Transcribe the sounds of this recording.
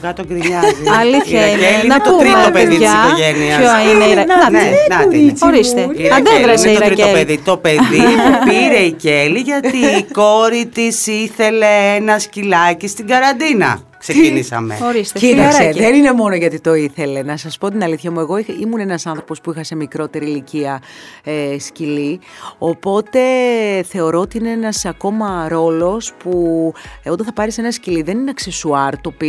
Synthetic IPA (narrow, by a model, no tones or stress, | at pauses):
kɐt̪oɡɾiɲɐliɐeliut̪ouɾit̪opeðitiɐsikoʝe̞niɐoɐnnnenɐt͡soɾist̪eðeðɾɐt̪ot̪ɾit̪opeðit̪o̞pe̞ðimpiɾe̞iceliʝɐt̪iːko̞ɾit̪isiθe̞le̞enɐscilɐcist̪iɡɐɾɐnd̪inɐ̰ | ksecinisɐ̰mḛoɾist̪ecit̪ɐsseðenine̞mo̞no̞ʝɐt̪it̪o̞iθe̞le̞nɐsɐspo̞t̪̬inɐliθçɐmue̞ɣo̞iimune̞nɐsɐnθɾo̞po̞spuixɐse̞mikɾo̞t̪e̞ɾiːliciɐ | scilio̞po̞t̪e̞θe̞o̞ɾo̞ot̪iine̞enɐsɐko̞mɐɾo̞lo̞spuot̪ɐ̃nθɐpɐɾise̞nɐsciliðe̞nineɐkse̞suɐɾt̪o̞pi